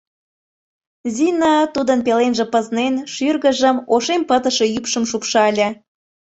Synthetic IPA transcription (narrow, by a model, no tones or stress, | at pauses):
zinɑt̪ud̪ənpelenʒĕpəznenʃyrɣəʒəmoʃempət̪əʃejypʃəmʃupʃɑlʲĕ